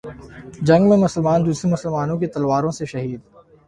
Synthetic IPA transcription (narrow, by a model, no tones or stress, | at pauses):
d͡ʒɐ̃ŋɡmẽmʊsəlmaːnd̪uːsɾemʊsəlmaːnõk̬et̪ɐlwaːɾõseʃɐɦiːd̪